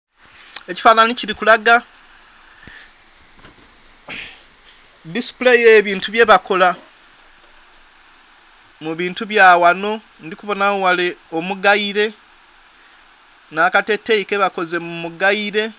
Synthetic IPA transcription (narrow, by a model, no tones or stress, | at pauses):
e̞ci̥faːnaniciɾikulaɡa | disi̥ple̞jeːβiːntuβje̞βako̞la | muβiːntuβjaːwano̞ | ndikuβo̞naowaleomuɡaiɾe̞ | naːkate̞tːejike̞βako̞ze̞mumuɡaiɾe̞